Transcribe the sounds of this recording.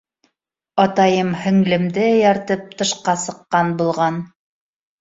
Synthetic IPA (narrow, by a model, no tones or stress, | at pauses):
ɑt̪ɑjɤmhɵ̆ŋlɘ̆md̪ɘjɑɾt̪ɤp̚t̪ɤ̆ʃqɑsɤ̆qːɑnbulˠʁɑn